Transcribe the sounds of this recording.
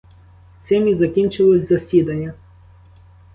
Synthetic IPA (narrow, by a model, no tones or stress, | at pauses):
sʲɛmʲizɐkʲinʲt͡ʃɪlˠɔsʲzɐsʲid̪ɐnʲːɐ